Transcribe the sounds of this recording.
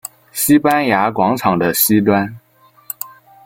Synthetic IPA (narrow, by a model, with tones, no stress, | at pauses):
ɕi˥pa˥nja˧˥kwɑ˧˥ŋʈ͡ʂʰɑ˨˩ŋd̪ə˦ɕi˥t̪̬wa˥n